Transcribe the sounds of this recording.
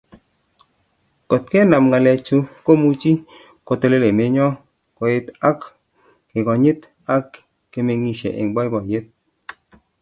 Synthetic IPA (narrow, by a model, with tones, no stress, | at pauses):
kɔ˨t̚kɛ˦na˨mŋa˨lɛ˨t͡ʃu˦ko˦mu˦t͡ʃi˦ | ko˨to˦le˦le˨me˨˦ɲɔ˦ | kɔ˨ɪ˦ta˦k | kɪ˨kɔ˨ɲɪ˦t | a˦kː | e˨me˧ŋi˨ʃḛ˨ʔɪ̰˨ŋɡ͡bɔ˦jbɔ˨je˦t̚